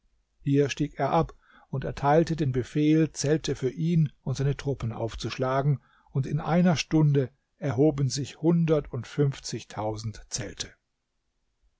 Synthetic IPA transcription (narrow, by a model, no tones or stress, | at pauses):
hiːɐʃtiːkeːɐʔap | ʊntɛ̰ɐtʰaɪltədeːnbəfeːlt͡sɛltʰəfyːɐʔiːnʊntz̥aɪnətʁ̥ʊpəna̰ʊft͡suʃlaːɡŋ̩ | ʊntɪnʔa̰ɪnɐʃtʊndə | ʔɛɐɦoːbən̩zɪçhʊndɐtʰʊntfʏnft͡sɪçtʰaʊzn̩tt͡sɛltʰə̥